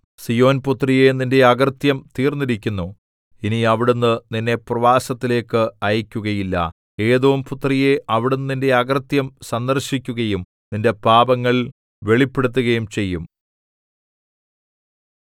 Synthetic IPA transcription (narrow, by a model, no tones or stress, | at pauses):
sijo̞ːnput̪rije̞ninde̞ɐɡɐrt̪jɐmt̪iːrnːiɾikʲːunːu | iniɐʋiɽunːɨninːe̞prɐʋaːsɐt̪ːile̞ːkːɨɐjɐkʲːuɣɐjilːɐ̰ | e̞ːðoʋumput̪rije̞ɐʋiɽunːɨninde̞ɐɡɐrt̪jɐmsɐnd̪ɐrɕikʲːuɣɐjum | ninde̞paːbɐŋːɐɭ | ʋe̞ɭipːe̞ɽut̪̬ːuɣɐjumt͡ɕe̞jːum